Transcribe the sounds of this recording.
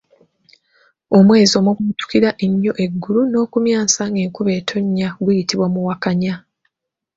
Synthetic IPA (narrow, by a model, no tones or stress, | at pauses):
o̞mwe̞ːzio̞ːmoɡutu̥kiɾaʔeɲːo̞ʔe̞ɡːuluno̞ːkumjaːnsaŋɡe̞ːŋkuβe̞ːtʰo̞ɲːaɡwujitiβwamuwakaɲa